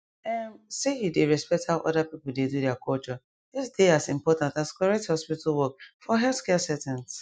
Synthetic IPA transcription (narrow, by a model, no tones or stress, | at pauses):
ɛmsejudeɹɛspɛk̚thaʊʔɔ̰dapipʊdedudɛakʰɔlt͡ʃɔ | dɪsdeasĩmpɔtãntaskɔɹɛk̚thɔspitʰalwɔkfɔɦɛlθkɛsɛtãns